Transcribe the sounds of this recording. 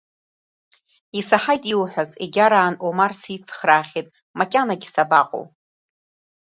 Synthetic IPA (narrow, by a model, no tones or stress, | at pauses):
isaħajtʼiwħʷᶣazeɡʲaɾaːnomarsit͡sʼʰχraːχʲitʼ | makʲʼanaɡʲisabaqʼo̰w